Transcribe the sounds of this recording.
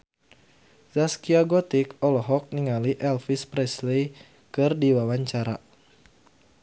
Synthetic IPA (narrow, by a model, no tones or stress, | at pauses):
zaskiaɡɔt̪ikɔlɔɦɔk̚niŋaliʔɛlfispɾɛslej | kɨrdiwawaɲt͡ʃaɾa̰